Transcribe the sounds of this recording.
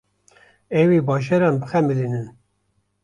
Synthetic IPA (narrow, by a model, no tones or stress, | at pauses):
ɛwiːbɑːʒɛɾɑːnbɨxɛmilinɨn